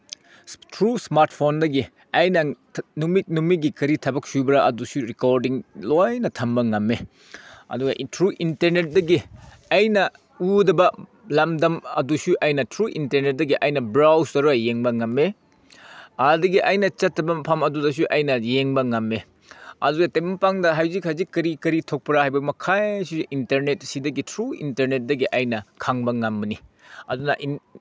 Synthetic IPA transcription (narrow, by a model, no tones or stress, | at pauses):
tʰɾusmaɾtpʰondɐɡi | ɐjnɐ | numit̚numiɡikɐɾitʰɐbɐk̚subɐɾɐʔɐdusuɾikoɾdiŋlojnɐtʰɐmbɐŋɐmːe | ɐ̰duɡɐʔitʰɾuʔintɐɾnet̚dɐɡi | ɐjnɐ | udɐbɐ | lɐmdɐmɐ̰dusuʔɐjnɐtʰɾuʔinteɾnet̚dɐɡiʔɐjnɐbɾawstɐɾuɐjeŋbɐŋɐmːe | adɐɡiʔɐjnɐt͡ʃɐtːɐbɐmɐpʰamɐdudɐs̬uʔɐjnɐjeŋbɐŋɐmːe | ɐ̰duɡɐtemɐpaŋdɐɦɐwzik̚hɐjzikːɐɾikːɐɾitʰok̚pɾahajbɐmɐkʰajsiuʔinteɾnet̚sidɐɡitʰɾuḭnteɾnet̚dɐɡiʔɐjnɐkʰaŋbɐŋɐmbɐni | ɐ̰dunɐʔi